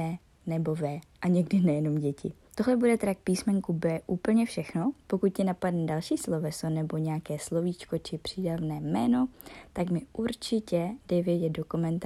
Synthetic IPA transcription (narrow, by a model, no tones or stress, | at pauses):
ɛ | nɛbo̞vɛːʔaɲɛɡdɪnɛjɛno̞mɟɛcɪ̰ | t̪oɦlɛbudɛt̪ɾak̚piːsmɛŋkubɛːʔuːpl̩ɲɛfʃɛxno̞pokut̪̚cɪnapadnɛdalʃiːslovɛsonɛbo̞ɲɛakɛːslo̞viːt͡ʃko̞t͡ʃɪpr̝̥iːdavnɛːmɛːno̞t̪akmɪʔuɾt͡ʃɪcɛdɛjvjɛdɛt̪̚do̞komɛnt̪